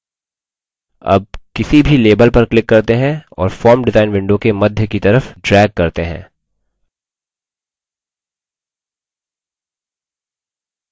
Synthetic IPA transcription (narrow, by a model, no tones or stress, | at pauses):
ɐ̰b̚kɪsibʱileːbəlpɐɾklɪkːɐɾt̪eɦɛ̃ɔ̰ːɾfɔːɾmɖɪzaːɪnʋɪ̃ɳɖõkemɐd̪ʱjəkit̪ɐɾəfɖɾɛːɡ̚kɐɾt̪eɦɛ̰̃ː